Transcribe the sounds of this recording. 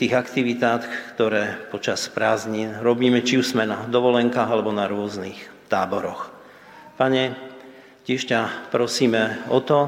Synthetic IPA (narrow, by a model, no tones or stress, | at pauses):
t̪iːɣakt̪iʋit̪aːt̪kt̪ɔɾɛːpɔt͡ʃaspɾaːzɲinɾɔbiːmɛt͡ʃiuzmɛnad̪ɔʋɔlɛŋkaːɣalɛbɔnaɾʊɔznixt̪aːbɔɾɔx | paɲɛ | cɛʃcapɾɔsiːmɛɔt̪ɔ